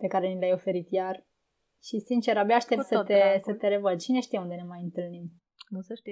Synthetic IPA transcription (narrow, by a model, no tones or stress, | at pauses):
pe̞kaɾe̞nilajo̞fe̞ɾit̪jar | ʃisint͡ʃe̞ɾabiaʃt̪e̞p̪sət̪esət̪e̞ɾe̞vəd̪̚t͡ʃine̞ʃt̪ijaund̪e̞ne̞majɨnt̪ɨlnim | ʃ